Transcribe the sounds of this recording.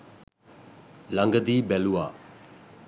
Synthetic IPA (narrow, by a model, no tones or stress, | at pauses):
laŋɡəd̪ibɛluwa